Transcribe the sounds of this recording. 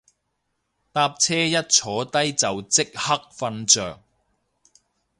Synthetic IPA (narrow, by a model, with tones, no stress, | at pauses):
t̪aː˧p̚t͡sʰɛː˥jɐ˥t̚t͡ʃʰɔː˨˥t̪ɐ˥jt͡sɐ˨wt͡sɪ˥k̚hɐ˥k̚fɐ˧nt͡sœː˨˩ŋ